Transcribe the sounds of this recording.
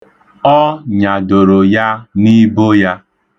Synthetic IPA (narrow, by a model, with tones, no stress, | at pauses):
ɔ˦ɲa˨do˨ɾo˨ja˦ni˦bo˦ja˦